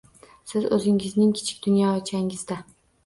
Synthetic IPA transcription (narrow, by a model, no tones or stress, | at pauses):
sɪzɵzɪŋɪznɪŋkʲʰɪ̥t͡ʃʰɪ̥k̚ʲd̪ʊnjɒt͡ʃʰaŋɪzd̪a